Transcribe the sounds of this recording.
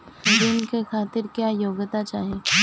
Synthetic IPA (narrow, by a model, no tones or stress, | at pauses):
d̪ɪnkexʰaːt̪ɪɾkjaːjoːɡt̪at͡ʃaːɦeː